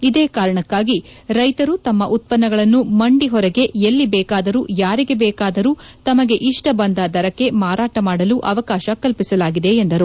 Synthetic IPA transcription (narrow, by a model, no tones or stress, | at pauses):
id̪eːkaːɾɐɳɐkːaːɡiɾɐjt̪ɐɾut̪ɐmːɐʔut̪̚pɐnːɐɡɐɭɐnːumɐɳɖiɦɔɾɛɡe̞ʔelːibɛːkaːd̪ɐɾuːjaːɾiɡe̞bɛːkaːd̪ɐɾuːt̪ɐmɐɡe̞ʔiʂʈɐbɐnd̪ɐd̪ɐɾɐkːe̞maːɾaːʈɐmaːɽɐluʔɐʋɐkaːʃɐkɐlpisɐlaːɡid̪eend̪ɐɾu